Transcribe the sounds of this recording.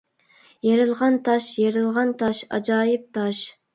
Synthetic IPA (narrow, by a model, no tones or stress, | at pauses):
jeɾɨlˠʁɑnt̪ʰɑʃjeɾɨlˠʁɑnt̪ʰɑʃɑ̰d͡ʒɑːjɪp̚t̪ʰɑʃ